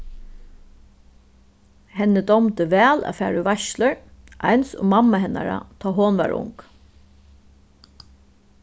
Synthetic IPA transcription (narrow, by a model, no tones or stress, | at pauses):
hɛnːəd̪ɔmt̪əʋɛːla̰ːfæːɾuʋaʃləɹʔajnsʊ̰ŋmamːaɦɛna̰ɾa̰t̪ʰɔːɦoːnʋa̰ːɹʊ̰ŋk